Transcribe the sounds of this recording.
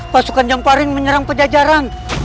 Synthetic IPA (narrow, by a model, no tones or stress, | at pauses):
pasukand͡ʒampalɪŋməɲəɾaŋpəd͡ʒad͡ʒaɾan